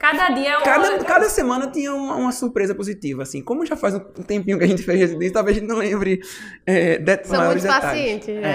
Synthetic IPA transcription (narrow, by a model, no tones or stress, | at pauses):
kad̪ɐd̪iɐɛkad̪ɐkad̪ɐsemɐ̃nɐt̪ĩɲɐũmɐũmɐsuɾpɾezɐpozit̪ivɐasĩkõmʊʒafajzʊũt̪ẽmpĩɲʊkɪɐʒẽnt̪ɪ̥fejzhezid̪ẽsɪt̪awvezɐẽt̪ɪnɐ̃w̃lẽmbɾɪ | ɛd̪ɛt̪zmajɔɾɪzd̪east̪aʎiɪẽt͡ʃɪɛ